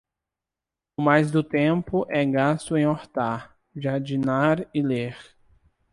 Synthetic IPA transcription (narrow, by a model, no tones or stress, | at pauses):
ʊmajzd̪ʊt̪ẽpʊʔɛɡast̪ʊẽj̃oɾt̪aɾ | d͡ʒad͡ʒinaɾɪleɾ